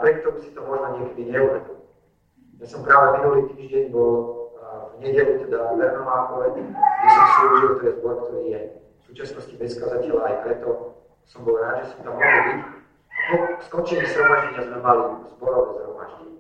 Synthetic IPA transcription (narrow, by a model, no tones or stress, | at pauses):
pɾɛt̪̚t̪ɔmusi̥t̪ɔmɔʒnɔɲɪɛkɛd̪iɲɛubɛd̪il | jaːsɔmpɾaːʋɛminuliːt̪iːʒɟɛɲbɔl | vɲɛɟɛlut̪ɛd̪aʋɛɾnɔɦaːkɔlɛɡʒɛsɔmsluːʒilt̪ɔjɛzbɔɾk̚t̪ɔɾiːjɛ | fsuːt͡ʃasnɔscibɛskazacɛɛlaːjpɾɛt̪ɔ | sɔmbɔlɾaːd̪ʒɛsɔmt̪amːɔɦɛlbic | bɔxskɔnt͡ʃilizɾɔmaʒɟɛɲazmɛmalizbɔɾɔʋɛzɦɾɔ̰ma̰ʒɟɛɲ